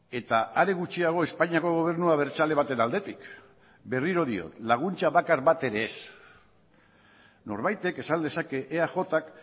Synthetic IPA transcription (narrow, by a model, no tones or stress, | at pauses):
e̞t̪aaɾeɣut͡ʃiaɣ̞o̞e̞spaɲiako̞ɣ̞o̞β̞e̞ɾnuaβ̞e̞ɾt͡ʃale̞β̞at̪e̞nald̪e̞t̪ik | be̞riɾo̞ðio̞̰t̪laɣ̞unt͡ʃaβakaɾβat̪e̞ɾe̞ːs | no̞̰ɾβajt̪e̞kesand̪e̞sake̞ʔeaʝo̞t̪ak